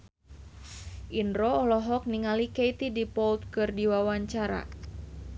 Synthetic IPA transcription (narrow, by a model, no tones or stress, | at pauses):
ʔinɾɔːlɔɦɔk̚niŋalikejt̪idipɔlt̪̚kɨrdiwawaɲt͡ʃaɾa̰